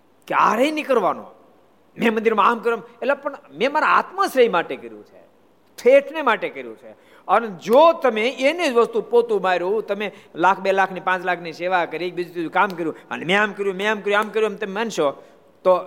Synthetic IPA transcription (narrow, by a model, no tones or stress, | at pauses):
keaɾeinikəɾʋano̰ | mɛ̃mənd̪iɾmamkəɾjometlepəɳmẽmaɾaa̰t̪məsɾəimaʈekəɾjṵ̃t͡ʃʰe | ʈʰeʈʰnemaʈekəɾjṵ̃t͡ʃʰe | əned͡ʒot̪əmeened͡ʒʋəst̪upot̪ũmaɾjũt̪əmelakʰbelakʰnipãt͡ʃlakʰniseʋakəɾiek̚bid͡ʒut̪id͡ʒukamkəɾjũə̰nemẽamkəɾjũmẽamkəɾjũamkəɾjũemt̪əmemanʃo | t̪o